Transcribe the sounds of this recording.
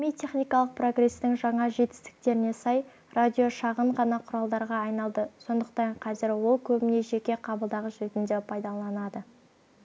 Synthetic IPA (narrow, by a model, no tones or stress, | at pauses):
mijt̪ʲʰe̞χnijkɑlˠəq̚pro̞ɡre̞st̪ɪŋʒɑɴɑʒe̞t̪ɪ̥st̪ɪ̥k̚t̪e̞ɾɪne̞sɑj | rʔad̪ʲio̞ʃɑʁəɴʁɑnɑqʰʊɾɑlˠd̪ɑɾʁɑːjnɑlˠd̪əso̞nd̪əq̚t̪ɑɴqʰɑzɪɾwo̞lˠkʲʰɵbɪne̞ʒe̞kʲe̞qʰɑbəlˠd̪ɑʁəʒɵt̪ɪnd̪epʰɑjd̪ɑlˠɑnɑd̪ə